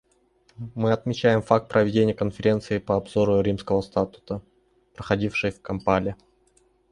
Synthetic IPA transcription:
mɨɐt̪mʲɪt͡ɕæjɪmfak̚t̪̚pɾʔəvʲɪdʲenʲɪjəkənfʲɪɾʲe̞nt̪sɨɪpəɐbzo̞ɾʊɾʲimskəvəst̪at̪ʊ̥t̪ə | pɾəxɐdʲifʂɨjfkɐmpalʲɪ

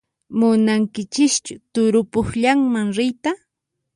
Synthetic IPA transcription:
mʊnaŋkɪt͡ʃɪkt͡ʃʊt̪ʊɾʊpʊχʎaŋmaŋɾɪjt̪a

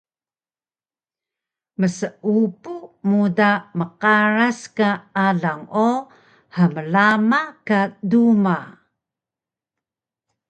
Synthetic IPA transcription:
məsəʔupumudaməqaɾaskaaɮaŋo | həməlamakaduma

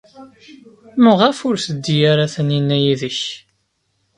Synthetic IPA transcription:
məʁafʊɾθəd̪ːijaɾaθəninːæjiðəç

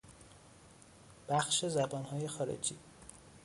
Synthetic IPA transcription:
b̥æxʃe̞zæbɒːnhɒːje̞xɒːɾḛd͡ʒḭː

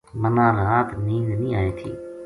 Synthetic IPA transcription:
mənãːɾaːt̪nĩːnd̪nĩːaːeːt̪ʰḭː

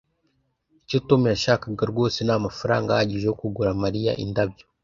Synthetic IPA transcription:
icitomujaʃakaɡaɾɡo̞ːsenamafuɾa̰ːŋɡahaɟiʒeokuɡuɾamaɾija̰ʔḭndabjo

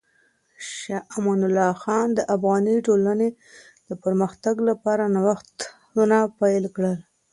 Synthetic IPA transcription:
ʃaʔmɑnʊlːɑxɑnd̪əʔafɣɑniʈolane | d̪̥əpəɾməxt̪aɡlapɑɾanawaxt̪ | unapajlkɽəl

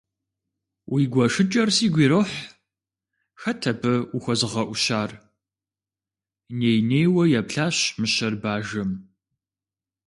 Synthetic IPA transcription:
wʔiːɡʷɐʂɨt͡ʃʼɐrsiːɡʷiːɾoħ | xɐtʰɐpʰɨuxʷɐzɨʁɐʔʷʊʃaːr | neːjneːjwɐjɛpɬaːɕmɨɕɐrbaːʒɐm

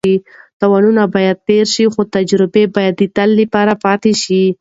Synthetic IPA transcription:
it̪awɑnunabɑjad̪̚t̪eɾʃixot̪ad͡ʒɾɪbebɑjad̪ːit̪alːipɑɾapɑt̪eʃi

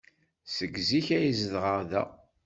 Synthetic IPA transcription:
səɡziçæjizðʁəɾðæ̰

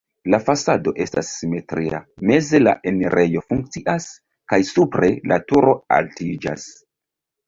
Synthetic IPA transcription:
lafasado̞ʔe̞stasːime̞tɾia̰me̞ze̞la̰ʔeneɾʔe̞jo̞fuŋk̚t͡siʔas | kajsupɾe̞lʔa̰tuɾo̞a̰ltid͡ʒa̰s

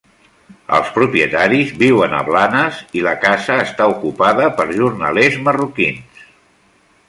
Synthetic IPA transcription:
ə̰lˠspɾupiət̪aɾizβiwənə̰βlanəziləkazəːst̪aukupaðəpəɾʒuɾnə̰lezmərukins

